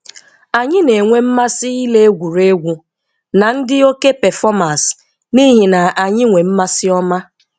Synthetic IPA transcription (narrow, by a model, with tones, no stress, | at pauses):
a˨ɲɪ˦ne˨ŋʷe˦m̩˦ma˦sɪ˦i˦le˦e˦ɡʷu˨ɾe˦ɡʷu˨ | na˨n̩˦dɪ˦o˦ke˦pɛ˨fɔ˦ma˨s | ni˦ɦi˨na˨a˨ɲɪ˦ŋʷe˨m̩˦ma˦sɪ˦ɔ˦ma˦